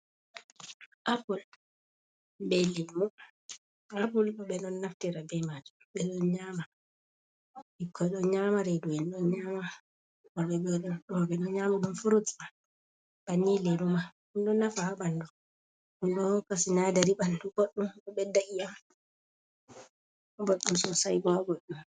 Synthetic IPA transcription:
ʔapul | bɛlɛmu | ap̬ulɓɛnɔnːaftiɾabɛmad͡ʒu | ɓɛɗɔnɲaːma | ikʰːɔjɗɔnɲamaɾedujɛnɗɔnɲama | ɔɓɛbɔɗɔɗɔbɛɗɔɲamaɗumfuɾutma | b̥anːilɛɾuma | unɗɔnːafahaɓandu | undɔkasinadaɾiɓandub̥oɗːumɔɓɛdaʔijam | boɗːumsɔsajɡɔɡoɗːum

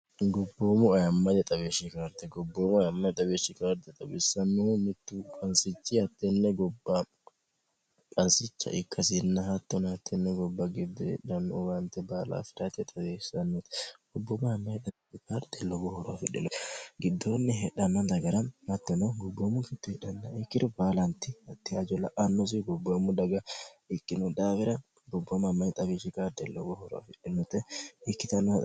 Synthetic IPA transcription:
ɡɔbːoːmʊɐjɐmːɐd̪ɛt̪ʼɐbeːʃɪkaːɾt̪ɛɡɔbːoːmʊɐjɐmːɐjt̪ʼɐbeːʃːɪkaːɾd̪ɛt̪ʼɐbɪsːɐnːʊhʊmɪt̪ːukʼɐnsɪt͡ʃːɪhɐt̪ːɛnːɛɡɔbːɐ | kʼɐnsɪt͡ʃːɐ̰ʔɪkʰːɐsɪnːɐɦɐt̪ːɔnhɐt̪ʰːɛnːɛɡɔbːɐɡɪd̪ːɛɛ̰ᶑɐnːɔɡɐnt̪ːɛbaːla̰ːfɪɾat̪ɛt̪ʼɐbeːɐnːet̪ɔbːɔmamːɐjt̪ɐbiɪkaːɾd̪̥ɛlːɔɡɔhɔɾɔa̰fɪᶑɪnɔt̪ɡɪd̪ːoːnːɪɦɛᶑɐnːɐnd̪ɐɡɐɾɐnhɐt̪ːɛnɐɡɔbːomːʊɡɪt̪ːɪhɛᶑɐnːɐɪkːɪd̪ɔbaːlɐnt̪ːɪɐt̪ːɪɐd͡ʒɔlɐʔɐnːɔs̬ɪɡɔbːomːʊd̪ɐɡɐɪkʼːɪnʊd̪aːfɪɾɐ | ɡɔbːɔmɐmːɐjt̪ʼɐbiʃɪkaːɾd̪ɛlːɔɡɔhɔɾɔa̰fɪᶑːɪnɔt̪ːɛɪkːɪt̪ɐnːɔ

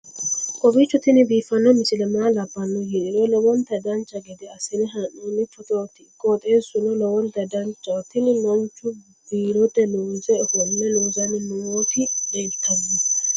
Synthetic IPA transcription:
kʼɔbit͡ʃːɔt̪ːɪnɪbiːfɐnːɔmɪsɪlɛmaːlɐbːɐnːɔjiᶑɪɾɔlɔwɔnt̪ɐd̪ɐnt͡ʃːɐɡɛd̪ɛɐsɪnɪɦɐnːɔnːɪfɔt̪ot̪ɪkoːt̪ʼe̞ːsʊnɔlɔwɔnt̪ɐd̪ɐnt͡ʃːɐt̪ːɪnɪnɐnt͡ʃːʊ | biːɾɔd̪ɛlɔːzɛhɔnːɛlɔːzɐnɪmɔot̪ɪnɛt̪ːɐzɪ

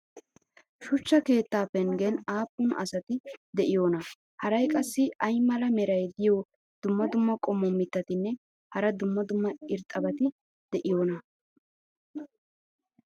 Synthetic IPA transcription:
ʃʊt͡ʃːɐke̞ːt̪ːaːpːɛnɡenaːpːʊnɐ̰sɐt̪ɪd̪ɛʔɪjoːnɐ | hɐɾɐjkʼɐsːɪɐjmɐlɐmɛɾɐjd̪ɪjo | d̪̥ʊmːɐd̪ʊmːɐkʼɔmːɔmːɪt̪ːɐt̪ɪnːɛ | hɐɾɐd̪ʊmːɐd̪ʊmːɐɪɾt̪ʼːɐbɐt̪ɪ | d̪̥ɛʔɪjoːnɐ

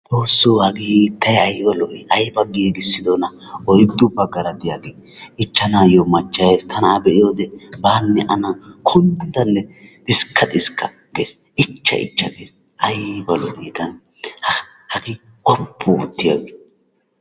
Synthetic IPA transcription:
t̪ʼoːsːohɐɡit̪ːɐjɐjbɐlɔbiʔɐjbɐɡːiɡɪsːɪd̪ɔnɐɔjd̪ʊbɐɡːɐɾɐd̪ɪjaɡiːɪt͡ʃːɐnaːjomɐt͡ʃːɐjeːst̪ʰɐnɐːbɛʔɪjoːd̪ɛbaːnːɛʔɐnɐkʰʊnd̪d̪ɐnːɛt̪ʼɪskʰːɐt̪ʼɪskʰːɐ | ɡeːs | ɪt͡ʃːɐ̰ʔɪ̰t͡ʃːɐ̰ɡḛːs | ʔɐjbɐlɔbiːt̪ɐn | hɐ | hɐɡɪ | kʼɔpʰːʊʊt̪ːɪja̰ɡe

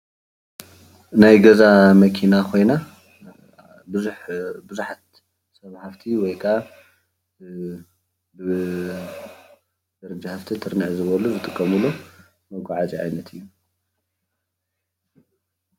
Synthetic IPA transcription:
najɡɐzamɐkʰinakʰo̞jna | bɨzuħbɨzuħat̪ | sɐβhaft̪ʰiwɔjkʰaʔa | dɐɾd͡ʒahaft̪ʰit̪ʰɨɾnɨʕzɨβɐluzɨt̪ʼɨkʼːɐmɨlːo | mɐɡʷaʕat͡ʃʼiʕa̰jnɐt̪ʰɨjːu

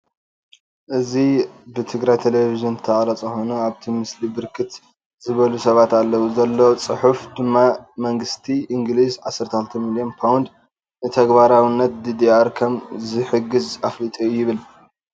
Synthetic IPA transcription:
ʔɨzibɨt̪ʰɨɡɾajt̪ʰelevizɨnt̪ʰɐχʼɾɐt͡sʼɐxonuaβt̪ʰimɨslibɨɾkʰɨt̪ | z̥ɨβɐlusɐβat̪alːɐwuzɐlːot͡sʼɨħufd̪ɨmːamɐŋɡɨst̪ʰiʔiŋɡlizʕasːɐɾt̪ʰɐxɨlt̪ʰɐmilijo̞npʰawnd̪ | nɨt̪ʰɐɡbaɾawinːɐt̪̚d̪ɨd̪iaɾkʰɐmzɨħɨɡɨzaflit̪ʼujːɪβɨl

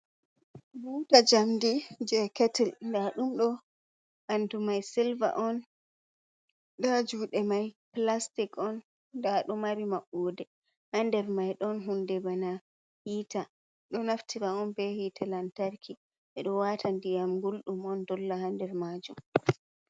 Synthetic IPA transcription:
butad͡ʒamdid͡ʒɛkɛtɛlndaɗumɗɔ | ʔandumajsilva̰ʔɔn | ɗad͡ʒuːɗɛmajplastikɔn | daɗɔmaɾimaɓːodɛ | handɛɾmajɗɔnɦundɛbana | hita | ɗɔnaftʰiɾaɔnbɛhitʰalantaɾkʰi | ɛɗɔwatʰandijamɡulɗumɔndɔlːahandɛɾmaːd͡ʒṵm

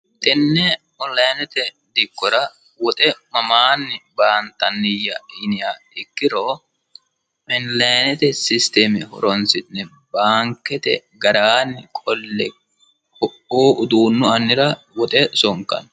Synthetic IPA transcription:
t̪ʼɪnːɛ | ɔnlɐjnɛt̪ɛ | d̪ɪkːɔɾɐ | wɔt̪ʼɛmɐmaːnːɪbaːnt̪ːɐnːɪjːɐɪnɪja | ɪkːɪɾoː | ʔɛnlɐjnɛt̪ɛsɪst̪emɛhɔ̰ɾɔnsɪnːɛ | baːŋkːɛt̪ɛ̰ɡɐɾaːnːɪkʼɔlːɛ | hɔʔoːʊd̪uːnːʊɐnːɪɾɐ | wɔt̪ʼɛsɔŋkːɐ̰n

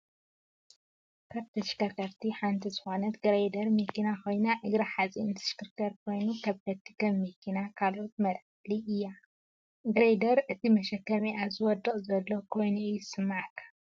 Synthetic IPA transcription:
kʰaβt̪ʰɐʃkɐɾkʰɐɾt̪ʰiħant̪ʰizɨxo̞nɐt̪ɡɨɾejd̪ɐɾmikinako̞jnaʔɨɡɾaħat͡sʼint̪ʰɨ̥ʃkɨɾkʰɐɾkʰo̞jnukʰɐβt̪ʰɐt̪ʰːi̥kɐmmːikʰinakʰalʔo̞t̪̚mɐɾʕħliʔɨjːa | ɡɨɾejd̪ɐɾʔɨt̪ʰimɐʃɐkːɐmiʔazɨwɔd̪ɨkʼzɐlːokʰo̞jnuɨjsɨmːaʕkʰːḁ

